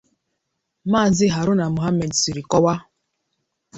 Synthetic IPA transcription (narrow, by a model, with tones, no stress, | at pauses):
maː˦˨zɪ˦ɦa˨ɾʊ˦na˨mu˨ɦa˦me˨dsi˨ɾi˨kɔ˦wa˦